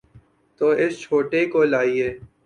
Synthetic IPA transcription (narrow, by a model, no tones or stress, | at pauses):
t̪oːʔɪst͡ʃʰoːʈekoːlaːieː